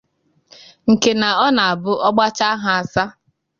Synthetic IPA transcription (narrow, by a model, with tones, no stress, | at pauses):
ŋ̩˨ke˨na˨ɔ˦na˨a˨bʊ˦ʔɔ˦ɡ͡ba˦t͡ʃa˦a˦ɦa˨a˨sa˦